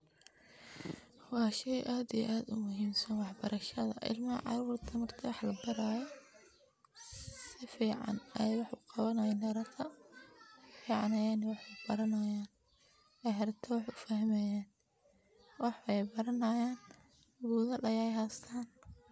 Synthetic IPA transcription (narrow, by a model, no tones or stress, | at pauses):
wɑːʃɛjʔaːd̪ij̰ʔaːd̪ʊmʊɦiːmsɐnwɑħbɐɾɐʃɐðɐ̰ʔɪ̰lmɐʕɑ̰ɾuːrt̪ʰɐmɐrt̪ʰɐwɑħlɐbɐɾaːjɔ | sɪfiːʕɑ̰nɛjwɑħʊqɑβɐnɐjɛnɐɾɐt̪ʰɐ | fiːʕɑnɐjaːnɛwɑħb̥ɐɾɐnɐjaːn | ɛjɦɐɾɐt̪ʰɐwɑħʊfɐhmɛjaːn | wɑħɛjbɐɾɐnɐjaːn | ɡuːðɐlɐjɛjɦaːst̪ʰaːn